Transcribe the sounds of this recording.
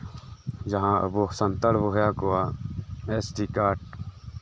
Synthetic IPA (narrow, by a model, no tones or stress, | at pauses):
d͡ʒɐɦãːɐ̰boːsɐnt̪əɽboɦjaːkoaesʈikaːʈ̚